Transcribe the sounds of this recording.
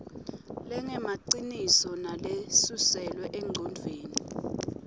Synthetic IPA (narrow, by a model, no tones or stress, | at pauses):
lɛŋɛmaǀinisɔnalesusɛlwɛʔɛŋ͡ǀʱɔnd͡vʱeːni